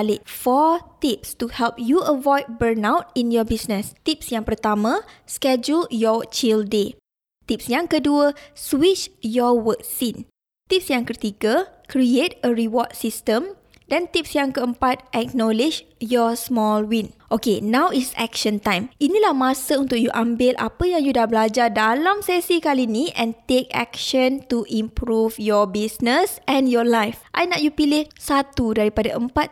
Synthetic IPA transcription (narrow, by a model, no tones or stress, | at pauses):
liʔ̚fɔt̪ip̚stuhɛlp̚juəvɔjd̚bənawt̚injɔbisnəst̪ip̚sjãŋpərt̪amãskɛd͡ʒuljɔt͡ʃilde | t̪ip̚sjãŋkəduəswit͡ʃjɔwək̚sin | t̪ip̚sjãŋkət̪iɡəkɾiet̚əɹiwɔt̚sistə̃m | dãnt̪ip̚sjaŋkəəmpat̪̚ʔɛk̚nɔlid͡ʒjɔsmɔlwĩnʔokenãwitsɛ̰k̚ʃə̃nt̪ãjminilahmasəunt̪ʊk̚juʔambɪlʔa̰pəjãŋjudahblad͡ʒadalamsɛsikalinĩʔɛ̃nt̪ekɛ̰k̚ʃə̃nt̪uʔĩmpɾufjɔbisnəsʔɛ̃njɔlajfʔajnaʔjupilɪhsat̪udaɾipadaʔəmpat̪̚